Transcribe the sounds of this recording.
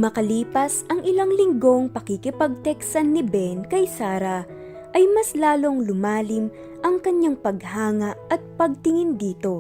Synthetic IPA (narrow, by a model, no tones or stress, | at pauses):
mɐkɐliːpɐsɐŋɪlaŋlɪŋɡo̞ŋpɐkikɪpɐɡ̚t̪ɛksɐnːɪbɛnkɐjsaːɾɐ | ʔɐjmɐslaːlo̞ŋlʊmaːlɪm | ʔɐŋkɐɲːaŋpɐɡhaːŋɐʔɐt̪̚pɐɡ̚t̪ɪŋɪnd̪iːt̪o̞